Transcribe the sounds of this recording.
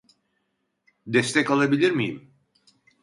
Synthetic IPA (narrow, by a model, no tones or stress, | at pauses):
d̪ɛst̪ʰɛkalˠabilʲiɾmijḭm